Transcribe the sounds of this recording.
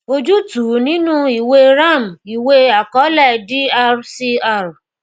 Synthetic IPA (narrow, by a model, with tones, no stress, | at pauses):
o˧d͡ʒu˦tu˨˦nĩ˦nũ˦i˨we˧ɾa˦˨m˨i˨we˧a˨kɔ˨˦lɛ˦˨di˦a˧ɾsi˧a˦˨ɾ